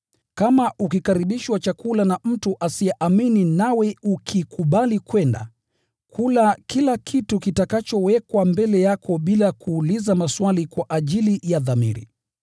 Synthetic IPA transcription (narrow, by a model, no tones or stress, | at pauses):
kamaʔukikaɾiɓiʃwat͡ʃakulanam̩tuʔasiɛʔamininawɛukʰikuɓalikwɛnda̰ | kʰulakʰilakʰitukitakat͡ʃɔwɛkwambɛlɛjakʰɔɓilakʰuːlizamaswalikwaʔaʄilijaðamḭɾḭ